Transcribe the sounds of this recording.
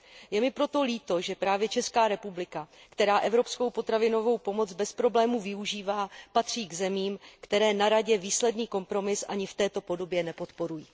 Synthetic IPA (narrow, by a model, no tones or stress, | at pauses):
jɛmɪpɾo̞t̪o̞liːt̪o̞ʒɛpɾaːvjɛt͡ʃɛskaːɾɛpublɪkakt̪ɛɾaːʔɛvɾo̞psko̞wpo̞t̪ɾavɪno̞vo̞wpo̞mo̞t͡sbɛspɾo̞blɛːmuvɪuʒiːvaːpat̪r̝̥iːɡzɛmiːmkt̪ɛɾɛːnaɾaɟɛviːslɛdniːko̞mpɾo̞mɪsʔa̰ɲɪft̪ɛːt̪o̞po̞do̞bjɛnɛpo̞t̪po̞ɾujiː